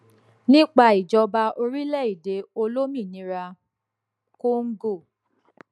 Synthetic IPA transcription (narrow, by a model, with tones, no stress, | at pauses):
nĩ˦k͡pa˧˨i˨d͡ʒɔ˧ba˧o˧ɾi˦lɛ˦˨i˦˨de˨˧o˧lo˦mĩ˦˨nĩ˨˧˦ɾa˧ | ko˦ŋ̩˦ɡo˦˨